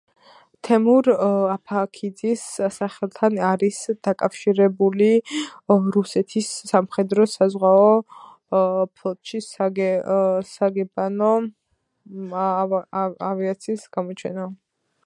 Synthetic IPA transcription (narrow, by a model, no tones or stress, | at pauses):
t̪ʰɛmuɾapʰakʰid̪zisːaχɛlˠt̪ʰanaɾisd̪̥akʼafʃiɾɛbuli | ɾusɛt̪ʰisːamχɛd̪ɾɔsazʁwaɔ | pʰlˠɔt̪ʃisaɡ | saɡɛbanɔ | aviat̪sʰiːsɡ̥amɔt͡ʃʰɛ̰na